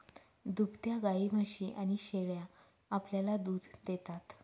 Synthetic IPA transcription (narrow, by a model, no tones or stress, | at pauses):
d̪upt̪jaɡaiməɕiʔaɽ̃iɕeɭja | apljalad̪uːd̪ʱd̪et̪at̪